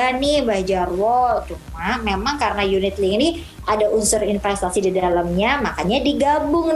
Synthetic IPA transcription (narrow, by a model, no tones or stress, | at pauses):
anɪhbad͡ʒarwɔlt͡ʃumamemaŋkaɾənajunɪt̪lɪŋni | ʔadaʔunsʊrinfɛst̪asididalamɲamakaɲadiɡabʊŋ